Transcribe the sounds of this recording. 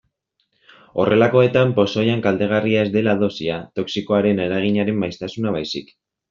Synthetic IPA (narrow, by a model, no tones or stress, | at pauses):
o̞re̞lako̞e̞t̪ampo̞so̞jaŋkald̪e̞ɣ̞ariae̞zd̪e̞laðo̞siat̪o̞ksiko̞aɾe̞neɾaɣ̞iɲaɾe̞mːajst̪asunaβajsik